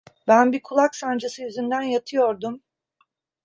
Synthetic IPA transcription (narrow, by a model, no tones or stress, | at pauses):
bænbikʰulˠaksand͡ʒasɯjyzynd̪ænjat̪ʰɯjo̞ɾd̪um